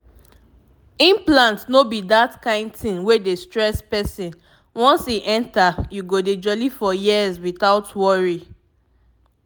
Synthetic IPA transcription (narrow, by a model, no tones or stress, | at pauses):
ĩmplãntnobidatkãɪ̃ndθĩŋwedestɹɛspɛsĩn | wɔ̃nsiʔɛ̃ntajuɡoded͡ʒɔlifɔjiəzwiθaʊtwɔɹi